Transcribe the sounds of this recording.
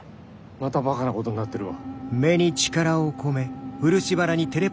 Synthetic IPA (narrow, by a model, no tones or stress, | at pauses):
mat̪abakanako̞t̪o̞ɲ̟inat̪ːe̞ɾɯ̟βa̰me̞ɲ̟it͡ɕi̥kaɾaoko̞me̞ɸɯ̟ɾɯ̟ɕibaɾaɲ̟it̪e̞ɾe̞